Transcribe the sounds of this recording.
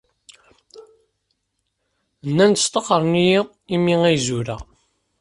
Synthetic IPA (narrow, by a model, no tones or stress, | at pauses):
nːænt̪ə̥st̪ˤɑqəɾˤniji | imiŋæjzuɾæ